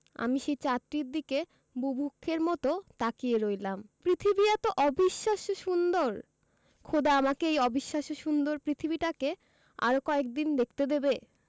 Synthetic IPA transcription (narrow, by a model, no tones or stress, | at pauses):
a̰miʃejt͡ɕat̪ːɾiɾd̪ike | bubʱukʰːeɾmɔt̪ot̪akieɾojlampɾit̪ʰibiat̪oʔɔbiʃːaʃoʃund̪oɾ | kʰod̪aamakeejɔbiʃːaʃoʃund̪oɾpɾit̪ʰibiʈake | a̰ɾokɔek̚d̪ind̪ek̚ʰt̪ed̪ebe